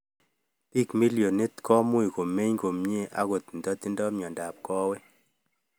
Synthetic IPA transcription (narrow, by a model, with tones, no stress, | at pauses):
ti˦˨kmi˦ljo˨ni˦tkʰɔ˦mu˦i˨ko˨me˦ɲko˨mɲe˦˨ʔa̰˦ko˨t̪n˨dɔ˦ti˦ndɔ˦mɲɔ˨nda˨p̚kɔ˦wɛ˦